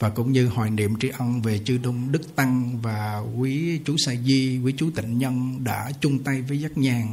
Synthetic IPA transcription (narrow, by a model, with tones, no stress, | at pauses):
vaː˨˩kʊ̰˧˥ŋ͡mɲɨ˧hwaː˨˩jnḭ˧˨əmt͡ɕi˧ʔə˧wnve˨˩t͡ɕɨ˧ɗʊ˧ŋ͡mɗɨ˦˥k̚t̪a˧ŋvaː˨˩kwi˨˦t͡ɕu˨˦saː˧jzi˧kwi˨˦t͡ɕu˨˦t̪ï˧˨ŋ̟ɲə˧nɗa̰ː˧˥t͡ɕʊ˧ŋ͡mt̪a˧jvəː˨˦jzaː˦˥k̚ɲaː˨˩ŋ